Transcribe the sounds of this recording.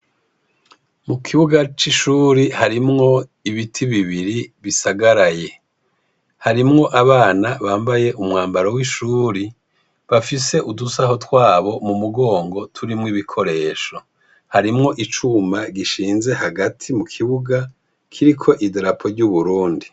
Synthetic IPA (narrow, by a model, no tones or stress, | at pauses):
mukʰiβuɡat͡ʃiʃuːɾihaɾimŋo̞iβitʰiβiβiɾiβisaɡaɾaje̞ | haɾimŋo̞ʔaβaːnaβaːmbaje̞ʔumŋaːmbaɾowiʃuːɾi | βafise̞ʔudusaɦo̞twaːβo̞mumuɡo̞ːŋɡo̞tʰuɾimŋiβikʰo̞ɾe̞ːʃo̞ | haɾimŋo̞ʔit͡ʃumaɡiʃiːnze̞haɡatʰimukʰiβuɡa | kʰiɾikʰo̞ʔideɾapʰo̞ɾɟuβuɾuːndi